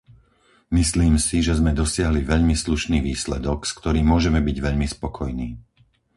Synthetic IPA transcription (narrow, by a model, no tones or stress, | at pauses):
misliːmsiʒɛzmɛd̪ɔsɪaɦliʋɛʎmisluʃniːʋiːslɛd̪ɔkskt̪ɔɾiːmːʊɔʒɛmɛbiɟʋɛʎmispɔkʰɔjniː